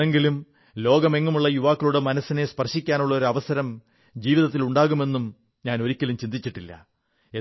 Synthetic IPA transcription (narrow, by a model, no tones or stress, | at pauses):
eŋɡilum | lo̞ːɡɐme̞ŋːɐmuɭːɐjuʋaːkːɐluɽemɐnɐsːine̞spɐrʂikʲːaːnuɭːɐo̞ɾuɐʋɐsɐɾɐm | d͡ʑiːʋiðɐt̪ːiluɳɖaːɣume̞nːum | ɲaːno̞ɾikʲːɐlumt͡ɕind̪it͡ɕːiʈːilːɐ̰ | e